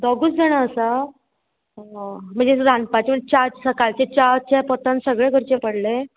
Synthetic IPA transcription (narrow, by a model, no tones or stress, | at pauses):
d̪əɡuːt͡sdeɳaəsa | m̤əɳd͡zed̪ʱãnpat͡ɕem̤əɳd͡zet͡ɕasəkalt͡ɕet͡ɕat͡ɕapət̪ansəɡɭeɡʱəɾt͡ɕepəɽle